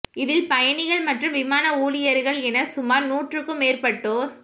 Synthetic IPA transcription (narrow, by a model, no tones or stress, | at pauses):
ɪðɪlpɐjɐɳɪɣɐɭmɐʈrɯmʋɪmaːnɐuːɭɪjɐɾɣɐɭɛnɐsʊmaːɾnuːʈrɯkːɯmeːrpɐʈːoːɾ